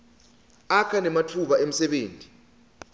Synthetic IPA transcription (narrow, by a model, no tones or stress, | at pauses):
akʰanɛmatʰuɓaem̩sɛɓeːntʼi̥